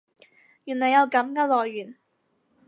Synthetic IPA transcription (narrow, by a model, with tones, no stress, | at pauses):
jyː˨˩nlɔː˨jɐ˨˧wkɐ˨˥mkaː˧˥lɔː˨jːyː˨˩n